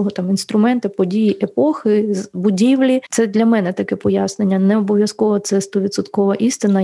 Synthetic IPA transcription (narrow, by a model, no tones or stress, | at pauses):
ɔɦɔt̪ɑminst̪ɾʊmɛnt̪ɪpɔdʲijiʔepɔxɪbʊdʲiwlʲit̪ɛd̪lʲɐmɛnɛt̪ɐkɛpɔjasnenʲːɐnɛɔbɔʋʲjɐskɔʋɐt̪sɛst̪ɔʋʲid̪sʊt̪kɔʋɐʔist̪ɪnɐ